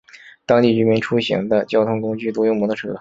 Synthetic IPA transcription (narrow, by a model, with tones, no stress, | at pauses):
t̪ɑ˥ŋt̪i˥˩ʈ͡ʂɻy˥mi˧˥nʈ͡ʂʰu˥ɕḭ˧˥ŋd̪ə˧t͡ɕjɑ˥ʊt̪ʰʊ˥ŋkʊ˥ŋt͡ɕy˥˩t̪u˧˥jʊ˥˩ŋmu˧˥d̪ə˧˩ʈ͡ʂʰ